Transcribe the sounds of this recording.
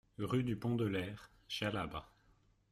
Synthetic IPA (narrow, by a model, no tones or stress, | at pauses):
ʁyd̪ypɔ̃d̪əlɛʁ | ʃalaba̰